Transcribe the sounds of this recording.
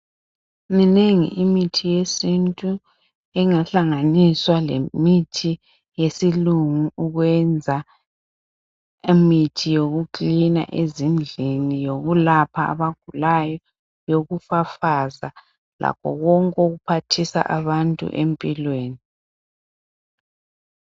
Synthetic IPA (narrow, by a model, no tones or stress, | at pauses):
mineŋḭʔimitʰijesintʼu | ɛŋaɬaŋaniswalḛmitʰi | jesiluŋuuɣwɛnd͡zʱa | imitʰijoɣukʼlina̰ʔezind͡ɮʱinijoɣulapʰaa̰βaɡ̥ʱulajɔ | joɣufafaza | la̰pʰɔ̰ɣɔŋkʼoɣupʰatʰisa̰ʔa̰βantʼṵʔempʼilweːni